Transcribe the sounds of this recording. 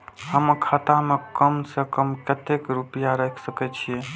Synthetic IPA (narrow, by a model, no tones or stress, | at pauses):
ɦəmkʰat̪amekəmsekəmkət̪ekɾupijaɾəkʰsəkɛt͡ʃʰije